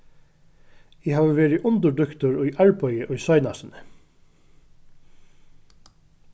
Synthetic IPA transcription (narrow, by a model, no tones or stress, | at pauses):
ɪɦaːʋəʋeːɹɪʔʊnt̪əɖʏkt̪ʊɹʊjʔaɹpɔʏɪʔʊjsœjnasɪnə